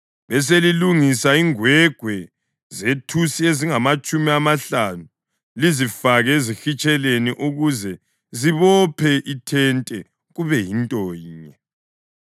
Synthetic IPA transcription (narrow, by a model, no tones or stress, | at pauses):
βɛs̬eliluŋisaiŋwɛɡ̥ʱwɛ | zetʰusieziŋamat͡ʃʼumiamaɬanu | lizifaɣɛezixit͡ʃʼɛleniʔuɣuzɛ | ziβɔpʰɛʔitʰɛntʼɛ | ɣuβɛjintʼɔɲɛ